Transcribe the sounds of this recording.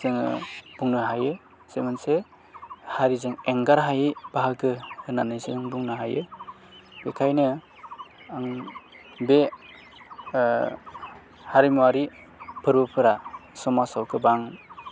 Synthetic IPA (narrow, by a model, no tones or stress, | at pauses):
zɯŋɯ̰b̥uŋnɯɦajɯ | semanse | haɾizɯŋeŋɡaɾɦajɯb̥aɦakʰɯɯnanɯjzɯŋbuŋnɯɦajɯ̰ | b̥ekʰajnɯ | aŋ | be | haɾimuwaɾi | pʰɯɾbɯpʰɯɾasɔmasawkʰɯbaŋ